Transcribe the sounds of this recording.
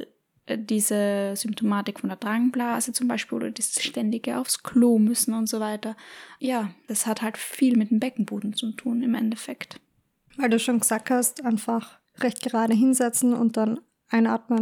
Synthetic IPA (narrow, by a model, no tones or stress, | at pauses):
ʔd̥iːzəz̥ʏmp̚tʰomaːtɪkfɔndeːɐd̥ʁaŋblaːzət͡sʊmbaɪʃpiːlʔo̰ːdɐdiːsʃtɛndɪɡəʔa̰ʊfskʰl̥oːmʏsn̩ʊntz̥ovaɪtɐjaːd̥ashathaltfiːlmɪt̚d̥eːmbɛkŋ̩buːdn̩t͡sutʰuːnɪmʔɛ̰ndɛfɛkt | vaɪlduːʃoːnɡəz̥aːk̚thastʔaɪnfaχ | ʁɛçt̚ɡ̥əʁaːɾəɦɪnzɛt͡sn̩ʊ̰nt̚d̥an | ʔaɪnʔa̰ːɐtmən